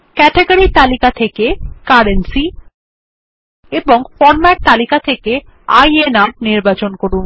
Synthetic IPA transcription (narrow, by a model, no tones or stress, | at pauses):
kɛʈeɡaɾit̪alikat̪ʰekekaɾensi | eboŋfɔɾmaʈ̚t̪alikat̪ʰeke | a̰jenap̚niɾbat͡ɕonkoɾun